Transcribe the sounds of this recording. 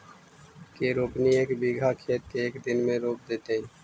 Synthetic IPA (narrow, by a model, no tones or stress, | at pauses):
keːɾoːpnieːkbiːɡʱaːkʰeːt̪̚keːkd̪ɪnmẽːɾoːp̚d̪eːt̪eɦɛ̃ː